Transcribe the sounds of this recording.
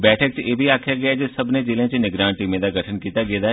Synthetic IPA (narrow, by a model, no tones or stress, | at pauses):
bɛːʈʰək̚t͡ʃeːbʱiaːkʰjaɡɐjad͡ʒosɐbned͡ʒeːlẽt͡ʃenɪɡɾaːɳʈiːmẽd̪aɡɐʈʰənkiːt̪aɡeːd̪a